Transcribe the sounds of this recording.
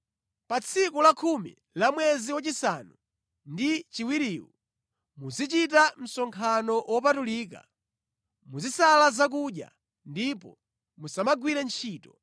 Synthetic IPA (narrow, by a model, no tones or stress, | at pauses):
pat͡sʰikulakʰumḭ | lamwɛziwat͡ʃisanu | ndit͡ʃiwiɾiːwṵ | muzit͡ʃit̬am̩sɔŋkʰanɔwɔpatuliːk̬a̰ | muzisalazak̬uɗja̰ | ndipɔ | musamaɡwiɾɛnt͡ʃʰiːtɔ